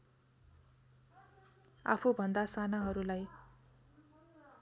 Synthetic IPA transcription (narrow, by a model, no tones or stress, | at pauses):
a̰pʰubʱʌnd̪asanaɦʌɾulaj